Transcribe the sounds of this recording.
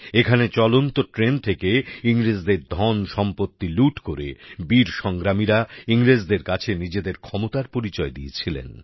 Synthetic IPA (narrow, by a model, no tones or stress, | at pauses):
ekʰanet͡ɕɔlont̪oʈɾent̪ʰekeiŋɾed͡ʑd̪eɾd̪ʱɔnʃɔmpot̪ːiluʈkoɾḛbiɾʃɔŋɡɾamiɾaiŋɾed͡ʑd̪eɾkat͡ɕʰenid͡ʑed̪eɾkʰɔmot̪aɾpoɾit͡ɕɔed̪iet͡ɕʰilḛn